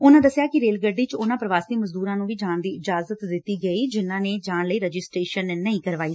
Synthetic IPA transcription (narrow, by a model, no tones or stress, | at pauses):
ʊnãːd̪əsɪjaːkɪɾeːlɡəɖiːt͡ʃʊnãːpɾəʋaːsiːməzd̪uːɾãːnũːʋiːd͡ʒaːɳd̪iːɪd͡ʒaːzət̪d̪ɪt̪ːiːɡəiːd͡ʒɪnːãːneːd͡ʒaːnləiːɾəd͡ʒɪsʈɾeːʃənːəĩːkəɾʋaːiː